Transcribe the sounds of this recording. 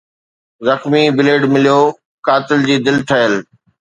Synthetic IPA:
zɐxmibɪleːɖmɪlijoː | kaːt̪ɪld͡ʑiːd̪ɪlt̪ʰɐɦəl

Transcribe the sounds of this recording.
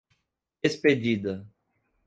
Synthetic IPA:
esped͡ʒid̪ɐ

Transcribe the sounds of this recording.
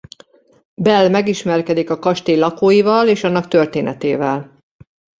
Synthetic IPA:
bɛlːmɛɡiʃmɛrkɛd̪ikɒkɒʃt̪eːlɒkoːjivɒleːʃɒnːɒkt̪ørt̪eːnɛt̪eːvɛl

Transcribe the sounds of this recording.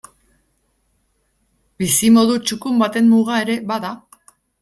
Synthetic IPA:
bisimo̞ðut͡ʃukumbat̪e̞mmuɣae̞ɾe̞βaða

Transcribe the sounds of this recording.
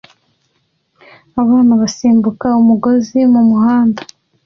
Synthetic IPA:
aβaːnaβasiːmbukaumuɡo̞zimumuɦaːndḁ

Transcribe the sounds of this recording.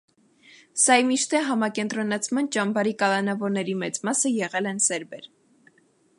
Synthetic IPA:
sɑjmiʃt̪ɛɦɑmɑkɛnt̪ɾɔnɑt͡sʰmɑnt͡ʃɑmbɑɾikɑlɑnɑvɔɾnɛɾimɛt͡smɑsəjɛʁɛlɛnsɛɾbɛɾ

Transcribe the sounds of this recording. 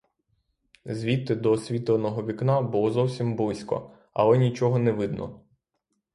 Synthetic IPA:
zʲʋʲit̪ːɪd̪ɔsʲʋʲit̪lˠɔnɔɦɔʋʲiknɑbʊlˠɔzɔwsʲimblˠɪsʲkɔ̰ | ɐ̰lˠɛnʲit͡ʃɔɦɔnɛʋɪd̪nɔ̰

